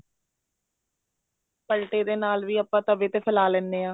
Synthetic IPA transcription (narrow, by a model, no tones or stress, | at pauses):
pəlʈeːd̪eːnaːlʋiːəpːãːt̪əʋeːt̪eːpʰəlaːlɛːnd̪eːãː